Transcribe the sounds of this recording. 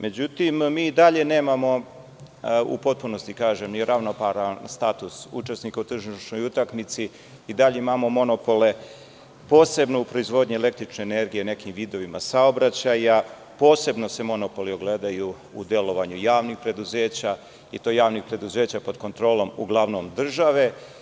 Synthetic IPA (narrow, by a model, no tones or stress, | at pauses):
me̞d͡ʑut̪immiːid̪aʎe̞ne̞ːmamo̞ | ṵpo̞t̪̚puno̞st̪ikaːʒemnijeɾaʋno̞paɾanst̪aːt̪usṵt͡ʃe̞snikaut̪r̩ʒiʃno̞jut̪aknit̪si | id̪aʎeimamo̞mo̞no̞po̞le̞ | po̞ːse̞bno̞upɾo̞izʋo̞d̪ɲiele̞k̚t̪ɾit͡ʃneːne̞ɾɡijene̞kimʋiːd̪oʋimasaobɾat͡ɕaja | po̞ːse̞bno̞se̞mo̞no̞po̞lio̞ɡle̞d̪aju | ud̪je̞lo̞ʋaɲujaːʋnixpɾe̞d̪uze̞ːt͡ɕa | it̪o̞jaːʋnixpɾe̞d̪uze̞ːt͡ɕapo̞d̪ko̞nt̪ɾo̞ːlo̞muɡlˠaʋno̞md̪r̩ʒaʋe̞